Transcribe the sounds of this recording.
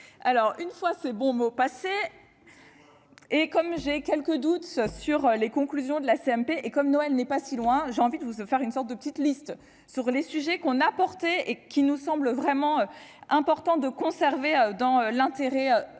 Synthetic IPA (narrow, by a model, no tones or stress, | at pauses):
alɔʁynfwasɛbɔ̃mopase | ekɔmʒekʲɛlkəd̪ut̪syʁlekɔ̃klyzjɔ̃d̪əlaseɛmpeʔekɔmnoɛlnɛpasilwɛ̃ʒeɑ̃vid̪əvufɛʁynsɔʁt̪̚d̪əpət̪it̪list̪ | syʁlesyʒɛkɔ̃napɔʁt̪ɛekʲinusɑ̃bləvʁɛmɑ̃øɛ̃pɔʁt̪ɑ̃d̪əkɔ̃sɛʁveød̪ɑ̃ølɛ̃t̪eʁɛø